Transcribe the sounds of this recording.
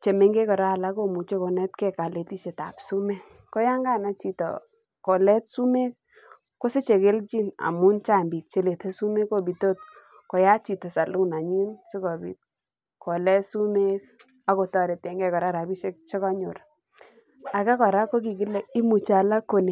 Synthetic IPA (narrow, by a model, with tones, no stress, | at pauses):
t͡ʃe˨me˨ŋɡe˦kɔ˨ɾa˦˨la˦ko˨mu˨t͡ʃe˦ko˨nɛ˦tkɛ˦ka˨le˨ti˦t͡ʃe˨ta̰˨psu˦me˦ | ko˦ja˦ŋɡa˦˨na˦t͡ʃi˨tɔ̰˨ | ko˨lɛ˦tsu˦me˦k̚ | ko˦se˦t͡ʃe˨ke˦lt͡ʃi˦na̰˨mu˦nt͡ʃa˦˨mbi˨k̚t͡ʃe˨le˨te˦su˦me˦kːo˦bi˨to˦t̚ | kɔ˨ja˦t͡ʃi˨tɔ˨sa˨lu˦na˨ɲi˦nse˦kɔ˨bḭ˨t̚ | ko˨lɛ˦su˦me˦k | a˦ko˨tɔ˦˨ɾe˨tɛ˨ŋɡɛ˦kɔ˨ɾa˦ɾa˨bi˦ʃe˦kt͡ʃe˦kɔ˦ɲʊ̰˨ɾ | a˨ka˦kɔ˨ɾa˦ko˦k̬i˨k̬i˦le˨i˦mu˨t͡ʃa˨la˦ko˨ne˨